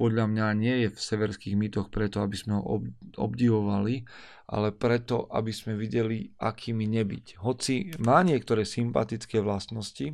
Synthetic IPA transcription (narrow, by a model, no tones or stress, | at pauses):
pɔd̪ʎamɲaɲɪɛjɛfsɛʋɛɾskiːɣmit̪ɔxpɾɛt̪ɔabiz̥mɛɦɔ̰ɔbɔ̰bɟiʋɔʋali | ʔa̰lɛpɾɛt̪ɔʔa̰bizmɛʋiɟɛlia̰kʰiːmiɲɛbḭcɦɔt͡simaːɲɪɛk̚t̪ɔɾɛːsimpa̰t̪it͡skɛːʋlast̪nɔsci